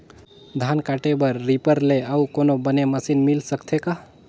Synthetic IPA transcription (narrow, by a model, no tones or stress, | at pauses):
d̪ʱankaʈebəɾːipəɾleəukonobəneməsinmilsəkt̪ʰeka